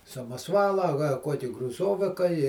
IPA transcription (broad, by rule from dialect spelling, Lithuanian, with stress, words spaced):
sɐmɐˈsʋɑːlˠɐ ɐ kɐ ˈkuɔkʲɪ ɡrʊˈzoːʋʲɪkɐ ɪ